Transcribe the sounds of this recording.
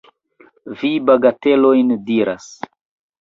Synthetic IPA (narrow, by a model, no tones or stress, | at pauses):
vibaɡate̞lojndiɾa̰s